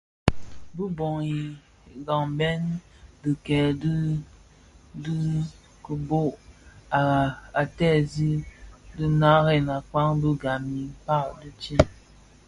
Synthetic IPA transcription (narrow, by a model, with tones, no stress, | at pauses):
bu˦bɔ˨ŋi˨ | ɡa˨ŋbɛ˦n | dɨ˨kɛ˨d | dɨ˦ | kə˨bo˦ʔa˨a˨tɛ˦˨zi˦dɨ˦na˦ɾɛ˦˨na˨ka˦ŋbɨ˦ɡa˨mi˨pa˦˨ʔdɨ˦t͡ʃi˦n